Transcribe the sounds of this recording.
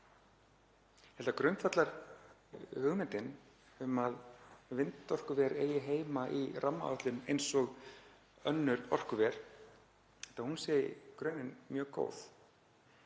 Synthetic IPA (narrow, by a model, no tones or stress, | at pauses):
hɛlt̪akɾœɥnt̪fat̪laɾ̥ | hʏɣmɛnt̪ɪn | ʏmaðvɪnt̪ɔr̥kʏvɛɾeːjɪɦeːjmaʔirʔamːa̰aht̪lʏnejnsɔɣ | œnːʏɾɔr̥kʏvɛɾ̥ | ɛlt̪ahunsɛːjɪ̰kɾœɥnːɪnmjœːko̰ːwθ